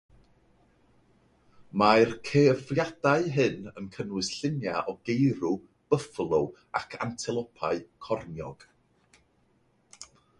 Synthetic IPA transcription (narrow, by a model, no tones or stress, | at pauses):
maɨrkʰevjad̥aɨɦɨnənkʰənwɨsɬɪnjaʔɔɡejɾu | b̥əflˠʊw | akʰa̰ntʰɪlˠɔpʰaɨkʰɔrnjɔ̰ɡ̥